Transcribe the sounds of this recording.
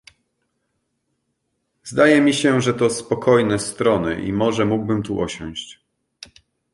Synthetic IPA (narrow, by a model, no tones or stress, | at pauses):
zd̪ajɛmʲiɕɛʐɛt̪ɔspɔkɔjnɛst̪ɾɔnɘ̰ʔḭmɔʐɛmuɡ̚bɘmt̪uʔɔɕɔ̃w̃ɕt͡ɕ